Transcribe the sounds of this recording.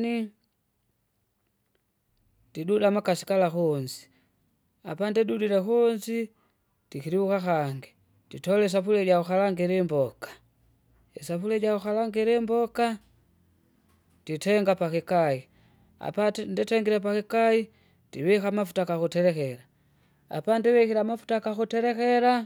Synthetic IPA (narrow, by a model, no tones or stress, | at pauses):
ni | didudamakasi̥kalaxuɲzi̥ | a̰pandɛdudilɛxuɲzi | d̥ikiɾiwukaxaŋɡi | ditɔlɛs̬afulɛɟauxalaŋɡiɾimbɔkḁ | isafulɛɟauxalaŋɡiɾimboka | d̥itɛŋɡapakikai | a̰panditɛŋɡiɾepakikai | tiβixamafu̥takaxutɛɾɛxeɾa | a̰pandiβixiɾamafu̥takaxutɛɾɛxeɾa